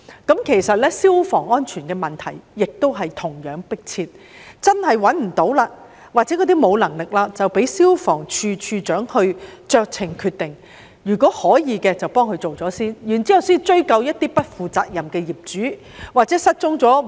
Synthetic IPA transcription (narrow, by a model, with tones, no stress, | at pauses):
kɐ˨˥mkʰe˨˩jsɐ˨t̚lɛː˥siː˥wfɔː˨˩ŋɔː˥nt͡ʃʰyː˨˩nkɛː˧mɐ˨˩nt̪ʰɐ̰˨˩jːɪ˨k̚t̪o˥wɦɐ˨jt̪ʰʊ˨˩ŋjœː˨˥ŋpɪ˥k̚t͡sʰiː˧t̚ | t͡sɐ˥nhɐ˨jwɐ˨˥nm̩˨˩t̪o˨˥wlaː˧ | waː˨t̚t͡sɛ˨˥kɔː˨˥t̪iː˥mo˨˧wlɐ˨˩ŋlɪ˨k̚laː˧t͡sɐ˨wpe˨˥jsiː˥wfɔː˨˩ŋt͡ʃʰyː˧t͡ʃʰyː˧t͡ʃœː˨˥ŋhɵ˧ɥt͡ʃœː˧k̚t͡sʰɪ˨˩ŋkʰyː˧t̚t̪ɪ˨ŋ | jyː˨˩kɔː˨˥hɔː˨˥jiː˨˧kɛː˧t͡sɐ˨wpɔː˥ŋkʰɵ˧ɥt͡so˨wt͡sɔː˨˥siː˥njyː˨˩nt͡siː˨˥jɐ˨˧wsɔː˥i˧t͡ʃɵ˥ɥkɐ˧wjɐ˥t̚t̪iː˥pɐ˥t̚fuː˨t͡sa̰ː˧k̚jɐ˨mkɛː˧ji˨˩p̚t͡ʃyː˨˥ | waː˨t̚t͡sɛː˨˥sɐ˥t̚t͡sʊ˥ŋt͡sɔː˨˥